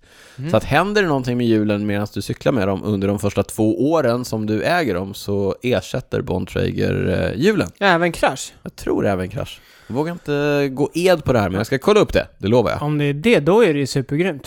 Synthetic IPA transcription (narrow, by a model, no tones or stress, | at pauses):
sɔat̪hɛnd̪əɾɛnɔnt̪ʰɪŋmɛjʉ̟ːlənmeːd̪ansd̪ɵsʏklaɾmɛd̪ɔmʔɵnd̪əɖɔmfœʂʈat̪ʰv̥oːʔoːɾənsɔmd̪ɵʔɛːɡəɖɔmsɔeːʂɛt̪ːə̰ɾbɔ̰nd̪t̪ʰɾɛ̰ɪɡə̰ɾjʉ̟ːlə̰nɛːvənkʰɾaʂjɑːɡt̪ʰɾṵːɾɛːvənkʰɾa̰ʂ | jɡvoːɡaɾɪnt̪əɡoːʔeːd̪pʰɔd̪ɛhæːɾmɛnjɑskakʰɔlːaɵpːd̪ɛ̰d̪ɛloːva̰ɾja̰ɔmd̪ɛæɖɛd̪ɔæɾɛjsʉ̟ːpəɾɡɾyːmt̪